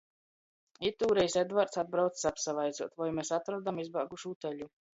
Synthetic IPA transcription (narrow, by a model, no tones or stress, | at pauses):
it̪ːuːɾejsed̪vaɾt̪sad̪̚bɾawt̪ssapsavajd̪zuɔt̪vajmesat̪ɾɔd̪amizbaːɡuʃut̪ɛʎu